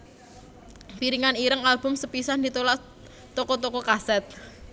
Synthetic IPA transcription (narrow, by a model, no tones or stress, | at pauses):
piɾiŋaniɾəŋalb̥ʊ̤msəpisand̪it̪olaʔ | t̪okɔt̪okɔkasɛt̪̚